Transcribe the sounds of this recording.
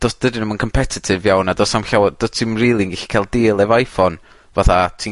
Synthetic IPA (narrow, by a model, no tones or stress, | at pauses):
d̥ɔsd̥ədɪnəmənkʰɔmpʰɛtʰɪtʰɪvjawnadɔsamɬawd̥ɔtʰimriːlˠinɡiɬi̥kʰalˠdɪːlˠɛvajfɔn | vaθatʰi